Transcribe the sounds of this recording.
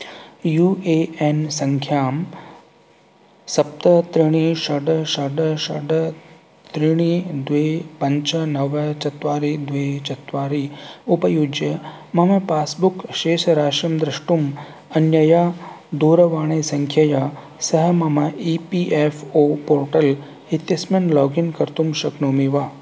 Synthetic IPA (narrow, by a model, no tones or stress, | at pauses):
juːʔeːensɐŋkʰjaːm | sɐp̚t̪ɐt̪ɾiɳ̃iʃɐɖɐʃɐɖɐʃɐɖɐ | t̪ɾiɽ̃id̪ʋeːpɐɲt͡ʃɐnɐʋɐt͡ʃɐt̪ʋaːɾid̪ʋeːt͡ʃɐt̪ʋaːɾiupɐjud͡ʒɐ | mɐmɐpaːsbukʃeːʃɐɾaːʃɐmd̪ɾɐʂʈum | ɐnjɐjaː | d̪uːɾɐʋaːɳ̃eːsɐŋkʰjɐja | sɐɦɐmɐmɐipiʔefʰoːpoːɾʈɐl | ɦit̪jɐsmɐnlɔːɡinkɐɾt̪umʃɐknoːmiʋa